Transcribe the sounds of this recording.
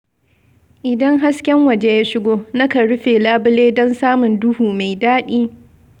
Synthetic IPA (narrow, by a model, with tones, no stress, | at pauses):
ʔɪ˨dɐ˦ŋɦa˦skʲɛ˦ŋwɐ˨d͡ʒe˦jaː˦ʃɪ˦ɡʷoː˦nɐ˦ka˨ɽʊ˦ɸeː˨laː˦bɪ˦leː˦dɔ˦nsaː˦mʊ˨ndʊ˦huː˨ma˨jdaː˦ɗiː˦